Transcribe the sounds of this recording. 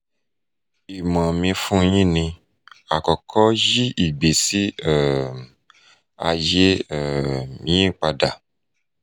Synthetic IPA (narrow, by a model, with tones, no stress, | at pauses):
i˨mã˨mĩ˧fũ˦jĩ˦˨nĩ˧ | a˨kɔ˨kʰɔ˦ji˦i˨ɡ͡be˨si˦ɛ˦˨ | a˧je˦ɛ˦˨ĩ˨˦ĩ˦˨k͡pa˧da˨